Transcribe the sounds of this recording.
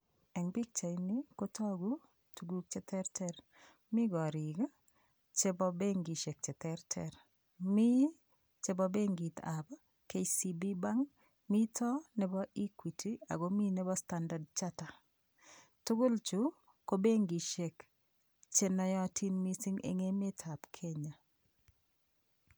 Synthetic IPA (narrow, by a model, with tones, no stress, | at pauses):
ɛ˨ŋbi˦k̚t͡ʃa˨i˦nɪ˦ko˦tʰɔ˦˨ɡu˦ | tu˨ɡu˦k̚t͡ʃɛ˦tʰɛ˦ɾtʰɛ˦ɾ | mɪ˦ɡɔ˨ɾi˨ɡa˦ | t͡ʃe˦bɔ˦be˦ŋɡi˨ʃe˨k̚t͡ʃɛ˨tɛ˦ɾtʰɛ̰˨ɾ | mi˦ | t͡ʃe˦bɔ˦be˦ŋɡi˨ta˨ba˦ | ke˨si˨bi˦ba˦ŋ | mi˦tʰɔ˦nɪ˦bɔ˦i˦kwi˨tʰi˨a̰˨ɡo˦mi˦nɛ˦bɔ˦sta˨nda˨dt͡ʃa˦ta˨ | tʊ˦ɡʊ˦lt͡ʃu˦ | ko˦be˦ŋɡi˨ʃe˨k | t͡ʃe˨nɔ˨jɔ˦˨tʰi˦nmi˦sɪ˦ŋḛ˨ŋe˦me˦tʰa˨pkʰe˦ɲa˨